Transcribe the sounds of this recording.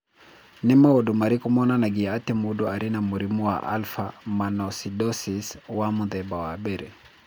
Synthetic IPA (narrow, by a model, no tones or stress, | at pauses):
nɛmawɔdumaɾikɔmɔnanaɡiatɛmuduaɾinamuɾimuwa̰ʔa̰lfamanɔsidɔsiswamuðɛbawabɛɾɛ